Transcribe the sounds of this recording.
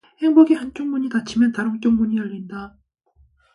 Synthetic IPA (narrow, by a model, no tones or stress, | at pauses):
he̞ŋboɡihant͡ɕ͈oŋmuɲitat͡ɕʰimjʌntaɾoŋt͡ɕ͈oŋmuɲijʌʎːinda